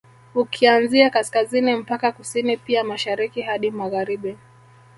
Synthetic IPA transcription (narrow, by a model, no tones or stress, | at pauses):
ukʰianziakaskazinim̩pakakusinipiamaʃaɾikihaɗimaɣaɾiɓi